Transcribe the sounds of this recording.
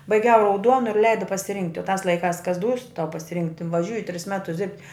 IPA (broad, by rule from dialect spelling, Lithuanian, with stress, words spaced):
bɐɪˈɡʲɛʊ rɐʊˈduɔnʊ ɪr ˈlʲɛɪdɐ pɐsʲɪˈrʲɪŋktʲɪ oː tɑːs lˠɐɪˈkɑːs kɐs duːs tɐʊ pɐsʲɪˈrʲɪŋktʲɪ ʋɐˈʒʲuːjɪ tʲrʲɪs ˈmʲæːtʊs dʲɪrʲpʲtʲ